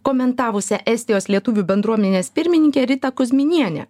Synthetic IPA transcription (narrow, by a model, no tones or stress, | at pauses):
koːmʲɛnt̪ɑːʋʊsʲɛʔɛsʲt̪ʲɪjoːslʲiɛt̪ʊʋʲuːbʲɛnd̪ɾuɔmʲɛnʲeːspʲɪɾʲmʲɪnʲɪŋʲkʲɛːɾʲɪt̪ɐkʊzʲmʲɪnʲiɛnʲɛ̰